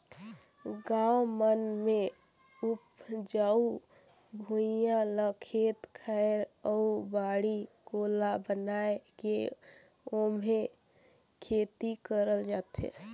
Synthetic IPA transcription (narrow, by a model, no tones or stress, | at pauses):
ɡawmənme | upd͡ʒau | bʱujãləkʰet̪kʰɛɾəubaːɽiɡolabənaeke | ome | kʰet̪ikəɾəld͡ʒaːt̪ɦḛ